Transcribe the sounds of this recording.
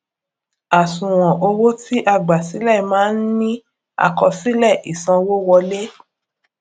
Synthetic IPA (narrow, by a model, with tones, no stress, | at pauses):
a˨sũ˨w̃ɔ̃˨ʔo˧wo˦ti˦ʔa˧ɡ͡ba˨si˨˦lɛ˦˨mãː˦n̩˦nĩ˦ | a̰˦˨kɔ˧si˦lɛ˦˨ʔi˨sã˧wo˦wɔ˧le˦